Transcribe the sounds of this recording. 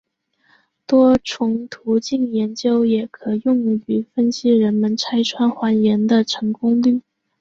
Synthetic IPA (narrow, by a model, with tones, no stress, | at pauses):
t̪wɔ˥ʈ͡ʂʰʊ˧˥ŋt̪ʰu˧˥t͡ɕi˥˩njɛ˧˥nt͡ɕjo˥ʊjɛ˨˩kʰɤ˨˩jʊ˥˧ŋ˧˩y˨˩fə˥nɕi˧˥ɻə˧˥nmə˧nt͡sʰa˥ɪʈ͡ʂʰwa˥nxwa˧˥njɛ˧˥nd̪ə˧ʈ͡ʂʰɤ˧˥ŋkʊ˥ŋly˥˩